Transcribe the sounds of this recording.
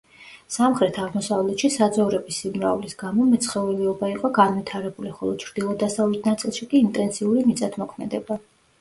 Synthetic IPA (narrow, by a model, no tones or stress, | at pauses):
samχɾɛt̪ʰaʁmɔsavlɛt̪ʃisad̪zɔvɾɛbisimɾa̰vlisɡamɔmɛt̪sʰχɛvɛlɛɔbaiqʼɔɡanvit̪ʰaɾɛbuliχɔlˠɔt͡ʃʰɾd̪̥ilˠɔd̪asavlɛt̪ʰnat̪sʼilˠʃikʼiːnt̪ʼɛnt̪sʰiuɾimit̪sʼat̪ʰmɔkʰmɛd̪ɛba